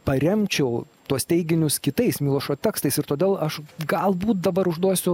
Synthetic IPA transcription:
pɐɾʲɛmʲt͡ʃʲɛʊ | t̪uɔst̪ʲɛɪɡʲɪnʲʊskʲɪt̪ɐɪsmʲɪlˠoːʃoːt̪ʲæːkst̪ɐɪsɪɾt̪oːd̪ʲeːlˠɐʃɡɐlˠbuːt̪̚d̪ɐbɐɾʊʒd̪uɔsʲʊ

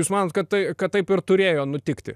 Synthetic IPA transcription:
juːsmɑːnoːt̪̚kɐt̪t̪ɐɪkɐt̪t̪ːɐɪpɪɾt̪ʊɾʲeːjoːnʊt̪ʲɪkt̪ʲɪ̰

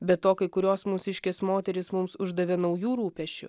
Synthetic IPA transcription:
bʲɛt̪ːoːkɐɪkʊɾʲoːsmʊsʲɪʃʲkʲeːsmoːt̪ʲɛɾʲɪsmʊmsʊʒd̪ɐʋʲɛnɐʊjuːɾuːpʲɛʃʲt͡ʃʲʊ̰

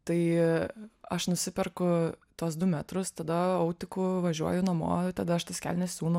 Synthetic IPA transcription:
t̪ɐɪ | ɐʃnʊsʲɪpʲɛrkʊt̪uɔsd̪ʊmʲæt̪ɾʊst̪ɐd̪ɐɐʊt̪ʲɪkʊʋɐʒʲuɔjʊnɐmo̰ːt̪ɐd̪ɐɐʃt̪ɐsʲkʲæ̰lʲnʲɛsʲsʲuːnʊ

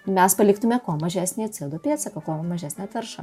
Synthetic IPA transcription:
mʲɛspɐlʲɪkt̪ʊmʲɛkoːmɐʒʲæːsʲnʲeːɐt̪ʲsʲɪd̪oːpʲiɛt̪sʲɛkɐkoːmɐʒʲæːsʲnʲeɐt̪ʋʲɛɾʃɐ̰

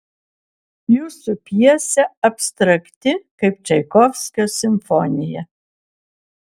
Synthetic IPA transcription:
juːsupʲiɛsʲɛɐpʲsʲt̪ɾɐkt̪ʲɪkɐɪp̚t͡ʃʲɛɪkɔfʲsʲkʲojosʲɪmʲfɔnʲɪjɛ

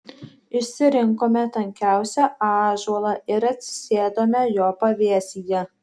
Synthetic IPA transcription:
ɪʃʲsʲɪɾʲɪŋkoːmʲɛt̪ɐŋʲkʲæˑʊsʲɛɑːʒuɔlˠɐɪɾɐt̪ʲsʲɪ̥sʲeːd̪oːmʲɛjoːpɐʋʲeɛsʲijɛ

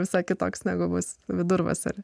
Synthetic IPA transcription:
ʋʲɪsɐɪkʲɪt̪oːksnʲæːɡʊbʊsʋʲɪd̪ʊɾʋɐ̰sɐ̰ɾ

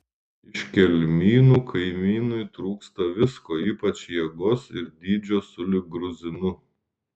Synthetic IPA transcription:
ɪʃʲkʲɛlʲmʲiːnuːkʰɐɪmʲiːnʊjt̪ɾuːkst̪ɐʋʲɪskoːiːpɐt͡ʃʲjɛɡoːsɪɾd̪ʲiːd͡ʒʲoːsʊlʲɪɡɾʊzʲɪnʊ

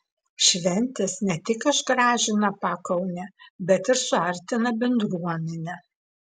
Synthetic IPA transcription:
ʃʲʋʲɛnʲt̪ʲɛsnʲɛt̪ʲɪkɪʒɡɾɑːʒʲɪnɐpɑːkɐʊnʲɛbʲɛt̪ɪɾsʊɐɾʲt̪ʲɪnɐbʲɛnd̪ɾuɔmʲɛnʲɛ

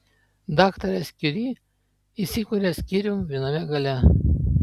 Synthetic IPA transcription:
d̪ɑːkt̪ɐɾʲɛsʲkʲɪɾʲiː | isʲɪkuɾʲɛsʲkʲiɾʲʊmʋʲiɛnɐmʲɛɡɐlʲɛ

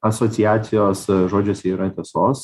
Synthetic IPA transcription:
ɐsoːtsʲɪjæːt̪sʲɪjoːsʒoːd͡ʒʲoːsʲiːɾɐt̪ʲeɛsoːs

